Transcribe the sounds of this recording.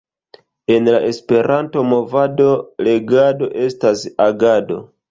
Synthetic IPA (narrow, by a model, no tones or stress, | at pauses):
e̞nlaʔe̞spe̞ɾʔanto̞mo̞vado̞le̞ɡado̞ʔe̞stasaɡado̞̰